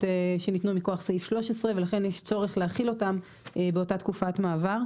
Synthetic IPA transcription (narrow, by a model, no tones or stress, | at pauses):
eʃenitnumiko̞aχseifʃlo̞ʃesʁeve̞laχe̞njeʃt͡so̞ʁeχleaχilo̞tam | ebeo̞tat̪kufatmaːvaʁ